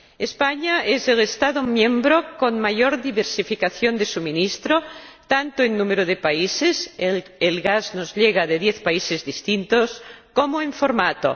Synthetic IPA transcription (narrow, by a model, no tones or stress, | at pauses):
espaɲaezelest̪aðomjẽmbɾokonmaʝoɾðiβeɾsifikaθjond̪esuminist̪ɾot̪ant̪oenːumeɾoðepaiseselɣaznozʎeɣ̞aðeðjeθpaisezðist̪int̪oskomoeɱfoɾmat̪o̰